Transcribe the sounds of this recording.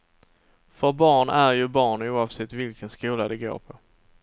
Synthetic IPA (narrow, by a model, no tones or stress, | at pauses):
fœɾbɑːɳæɾjɵbɑːɳuːɑvsɛt̪ːvɪlkənskuːlad̪ɛɡo̰ːɾpʰɔ